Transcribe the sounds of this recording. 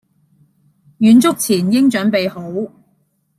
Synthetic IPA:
jyː˨˧nt͡sʊ˥k̚t͡sʰiː˨˩njɪ˥ŋt͡ʃœː˨˥ŋpe˨jho˨˥w

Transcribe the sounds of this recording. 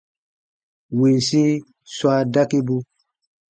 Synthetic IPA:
we˨si˦ | swa˦da˦ke˦bu˦

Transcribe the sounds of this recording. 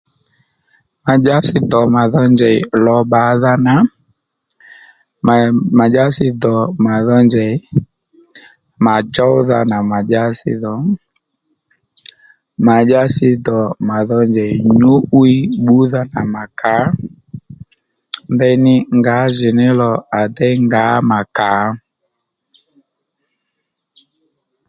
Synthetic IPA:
ma˨d͡ʒa˦sɪ˦dɔ˨ma˨ðɔ˦nd͡ʒɛ˨i˨lɔ˨ɓa˨˦ða˦na˨ | ma˨d͡ʒa˦sɪ˦ðɔ˨ma˨ðɔ˦nd͡ʒɛ˨i˦ | ma˨d͡ʒɔ˦ʊ˦ða̰˨na˨ma˨d͡ʒa˦sɪ̰˦ðɔ˨ | ma˨d͡ʒa˦sɪ˦˧dɔ˨ma˨ðɔ˧nd͡ʒɛ˨ɲu˦ʔwi˦ɓu˦ða˦na˨ma˨ka˨˦ | mbɛ˦˧nɪ˦ŋɡa˨˦ʒɪ˨nɪ˦lɔ˨a˨dɛ˦ŋɡaː˨˦ma˨ka˨˦

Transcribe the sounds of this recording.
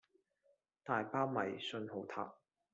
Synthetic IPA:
t̪aː˨jpaː˥wmɐ˨˩jsɵ˧nho˨˥wt̪ʰa̰ː˨˥p̚

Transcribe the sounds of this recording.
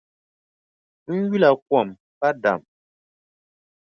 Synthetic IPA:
ŋ̩˦ɡi˦la˨k̚wɔ˦˨m | pa˦da̰˨m

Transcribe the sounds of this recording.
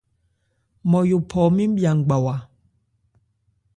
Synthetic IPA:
mɔ˨ju˨pʰɔ˨˦mi˦m˦ɓja˨ŋ˨ɡ͡ba˨wa˨

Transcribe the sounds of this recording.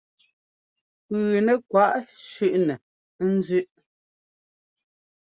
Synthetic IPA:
pʉː˨nɛ˨kwa˦˨ʔʃʉ˦ʔnɛ˨˦ | n̩˦zʉ˦ʔ

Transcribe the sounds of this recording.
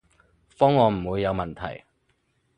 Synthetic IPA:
fɔː˥ŋːɔː˨˧m̩˨˩wuː˨˧jːɐ˨˧wmɐ˨˩nt̪ʰɐ̰˨˩j

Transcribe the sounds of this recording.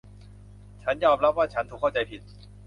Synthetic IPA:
t͡ɕʰa˦˥njɔː˧mɾa˦˥p̚waː˥˩t͡ɕʰa˦˥nt̪ʰu˨˩kʰːa˥˩wt͡ɕa˧jpʰi˨˩t̪̚

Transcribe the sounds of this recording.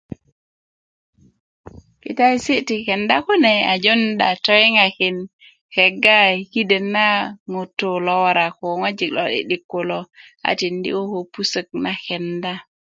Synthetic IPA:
kḭ˨ta˦i˦si˦ti˨ke˨nda˦ku˦ne˨a˨d͡ʒo˦nda̰˨to˦i˦ŋa˨ki˨n | he˨ɡa˦ki˦de˨nːa˦ŋu˨tːo˨lo˦wa˦ɾa˨ko˨ŋa˦d͡ʒi˨klo˦ɗḭ˨ɗi˨kːo˨lo˦a̰˨ti˨ndḭ˦o˦ko˨pu˦sə˨k̚na˨ke˨nda˦

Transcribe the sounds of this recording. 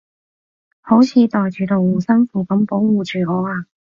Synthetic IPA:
ho˨˥wt͡sʰiː˨˧t̪ɔː˨jt͡ʃyː˨˧t̪o˨wuː˨˩sɐ˥ŋfuː˨˩kɐ˨˥mpo˨˥wwuː˨t͡ʃyː˨˩ɔː˨˧aː˨˧

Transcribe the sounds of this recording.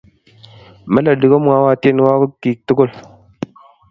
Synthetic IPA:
ma˦la˨di˨ɡo˦mwa˦wa˦te˦n˦wa˦ku˦kːi˨k̚tu˦ɡo˦l

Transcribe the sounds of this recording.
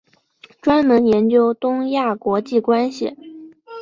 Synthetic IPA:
ʈ͡ʂwa˥nmə˧˥njɛ˧˥nt͡ɕjo˥ʊt̪ʊ˥ŋja˥˩kwɔ˧˥t͡ɕi˥˩kwa˥nɕḭ˨˩

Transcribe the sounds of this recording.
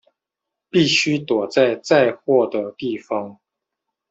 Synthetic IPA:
pi˥˩ɕy˥t̪wɔ˨˩t͡sa˥˧ɪt͡sa˥˧ɪxwɔ˥˩d̪ə˨˩t̪i˥˩fɑ˧˥ŋ

